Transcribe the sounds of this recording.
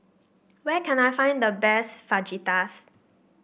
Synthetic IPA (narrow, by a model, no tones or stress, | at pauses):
wɛkʰɛ̃najfãɪ̃ndəbɛsfad͡ʒitas